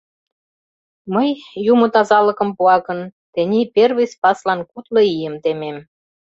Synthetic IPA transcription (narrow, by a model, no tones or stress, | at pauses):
məjːumŏt̪ɑzɑlə̆kə̆mpuɑkə̆nt̪ĕnʲiperβə̆jspɑslɑnkut̪lɤijəmt̪emem